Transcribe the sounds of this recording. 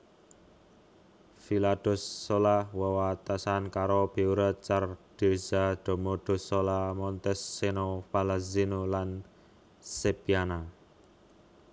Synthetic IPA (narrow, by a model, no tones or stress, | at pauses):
filad̪̥ɔ̤sːolawawat̪asankaɾob̥e̤uɾət̪̚t͡ʃarɖ̪̥ezad̪̥o̤mɔɖ̪̥o̤solamɔnt̪ɛsːenopalazinolan | sepiana